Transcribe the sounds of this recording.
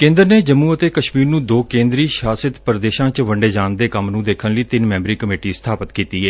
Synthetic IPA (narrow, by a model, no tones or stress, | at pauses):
kẽːnd̪əɾneːd͡ʒəmːũːət̪eːkəʃmiːɾnũːd̪oːkẽːnd̪ɾiːʃaːsɪt̪pəɾd̪eːʃãːt͡ʃʋəɳɖeːd͡ʒaːnd̪eːkəmnũːd̪eːkʰənləiːt̪ɪnmɛ̃ːmbɾiːkəmeːʈiːst̪ʰaːpət̪kiːt̪iːɦɛː